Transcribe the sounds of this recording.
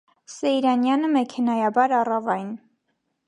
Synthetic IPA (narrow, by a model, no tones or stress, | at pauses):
sɛjɾɑnjɑnəmɛkʰɛnɑjɑbɑɾɑrɑvɑjn